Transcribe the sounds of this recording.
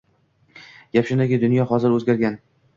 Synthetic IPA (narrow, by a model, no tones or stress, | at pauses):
japʃɪnd̪aɡʲɪd̪ʊnjɒhɒzɪɾɵzɡʲaɾɡʲan